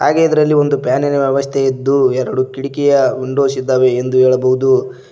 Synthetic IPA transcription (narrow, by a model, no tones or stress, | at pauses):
ɦa̰ːɡeid̪ɐɾɐlːio̞nd̪upjaːninɐʋjɛʋɐst̪ʰeid̪ːuɛɾɐɽukiɽikɛjɐuɳɖoːsid̪ːaːʋeːnd̪uɦɛːɭɐbɐɦud̪u